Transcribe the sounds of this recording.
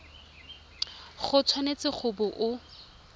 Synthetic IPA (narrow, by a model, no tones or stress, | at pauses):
χʊt͡sʰwanet͡sʼɪχʰʊbʊʔʊ